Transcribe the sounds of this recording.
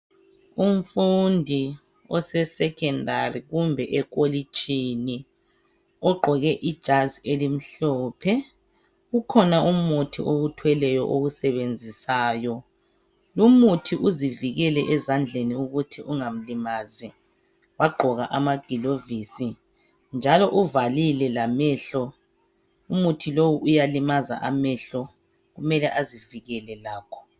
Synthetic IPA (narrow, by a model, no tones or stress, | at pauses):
um̩fundʱi | ɔsɛsɛkʰɛndʱariɣumbʱɛʔɛk̬olit͡ʃʼini | ɔɡ͡ǃʱɔɣɛʔid̥ʒ̥ʱazielim̩ɬɔːpʰɛ | ukʰɔnaʔumutʰiʔoɣutʰwɛlɛjɔʔoɣusɛβend͡zʱisaːjɔ | lumutʰiʔuziviɣɛlɛʔɛzand͡ɮʱeniuɣutʰiʔuŋam̩limazi | waɡ͡ǃʱɔɣaʔamaɡ̥ʱilovisi | nd͡ʒʱalɔʔuvalilɛlamɛɬɔ | umutʰilowuʔujalimaza̰ʔamɛɬɔ | ɣumɛlɛʔaziviɣɛlɛlaːkʰɔ̥